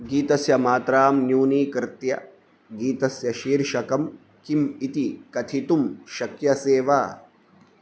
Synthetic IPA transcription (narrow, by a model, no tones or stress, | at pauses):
ɡiːt̪ɐsjɐmaːt̪ɾaːmnjuːniːkɾɪt̪jɐ̰ | ɡiːt̪ɐsjɐʃiːɾʃɐkɐm | kimit̪ikɐt̪ʰit̪umʃɐkjɐseːʋaː